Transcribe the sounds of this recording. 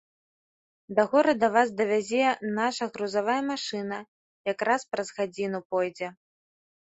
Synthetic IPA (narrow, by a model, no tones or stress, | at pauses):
d̪ɐɣɔɾɐd̪ɐvasd̪ɐvʲazʲɛnaʂɐɣɾuzavajɐmaʂɨnɐ | jakɾaspɾɐzɣad͡zʲinupɔjd͡zʲɛ